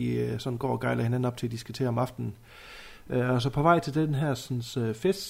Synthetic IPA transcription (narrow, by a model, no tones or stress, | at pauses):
isɒ̥̽n̩ɡ̥ɒ̰ːɒɡ̥ɑ̈ɪlɐhe̝næn̩ɒ̽b̥t͡sʰe̝æd̥isɡ̥ut͡sʰe̝̰ːɐɒ̽mɑ̈fd̥n̩n̩ | øɒs̬ɒpʰɒ̽ʋɑ̈ɪ̰t͡sʰe̝ld̥enɦæɐ̰snsøfes